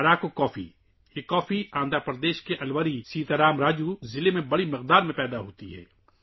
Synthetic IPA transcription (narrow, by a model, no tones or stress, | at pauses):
ɐɾaːkokɔːfḭ | jekɔːfiãːnd̪əɾpəɾd̪eːʃkeʔɐlʋəɾisiːt̪ɐɾaːmɾaːd͡ʒuzɪlemẽbɐɽimɪq̚d̪aːɾmẽpɛːd̪aɦoːt̪ḭɦɛ̰ː